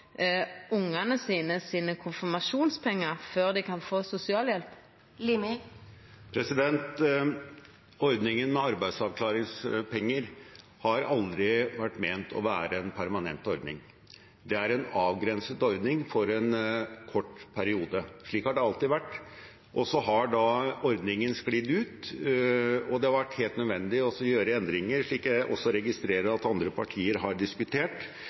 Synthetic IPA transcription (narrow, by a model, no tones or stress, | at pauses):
ʊŋːɑnəsiːnəsiːnəkʰʊnfɪmɑʃuːnspʰɛŋːɑʁføːʁd̪ɪkɑnfoːsʊsɪɑːljɛlp | l | pʰɾɛsɪd̪ɛnt̪ | ɔɾd̪nɪŋənmɛɑɾbæɪd̪sɑʋklɑːɾɪŋspʰɛŋːəɾ | hɑɾɑld̪ɾɪʋæʈːmeːnt̪ʰɔ̰ʋæːɾəɛnpʰæɾmɑnɛ̰nt̪ɔɾd̪nɪ̰ŋ | d̪ɛæɾɛnɑːʋɡɾɛnsət̪ɔɾd̪nɪŋfɔɾɛnkʰɔʈːpʰæɾɪuːd̪əʂɭiːkhɑɖɛɑlt̪ɪʋæʈː | ʔɔsɔɦɑɖɑɔɾd̪nɪŋənsklid̪ʉːt̪ | ɔd̪ɛhɑɾʋæʈːheːlt̪nœd̪ʋɛnd̪ɪɔsɔjøːɾəɛnd̪ɾɪŋːəɾʂɭiːkjæɪʔɔ̰sːɔɾɛɡɪst̪ɾeːɾəɑt̪ɑnd̪ɾəpʰɑʈʰiːəɾɦɑɖɪskʉt̪ʰeːʈ